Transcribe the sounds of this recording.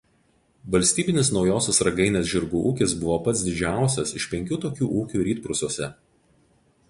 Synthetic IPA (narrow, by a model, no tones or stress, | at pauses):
ʋɐlʲsʲt̪ʲiːbʲɪnʲɪsnɒʊjoːsʲɛsɾɐɡɐɪnʲeːsʲʒʲɪɾɡuːʔuːkʲɪsbʊʋoːpɐt̪sd̪ʲɪd͡ʒʲæˑʊsʲɛsɪʃʲpʲɛŋʲkʲuːt̪oːkʲuːʔuːkʲuːɾʲiːt̪̚pɾʊsuɔsʲɛ